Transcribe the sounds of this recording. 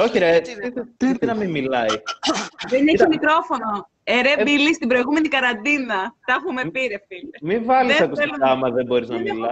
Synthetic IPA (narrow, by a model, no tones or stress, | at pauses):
o̞çiɾet̪ilt̪inɐmimmilɐi | ðeneçemikɾo̞fo̞no̞ | eɾemilist̪ibɾo̞iɣume̞nikɐɾɐnd̪inɐt̪ɐxume̞piɾeftilemivɐlsɐkuseloɐmɐðembo̞ɾiznɐmilɐ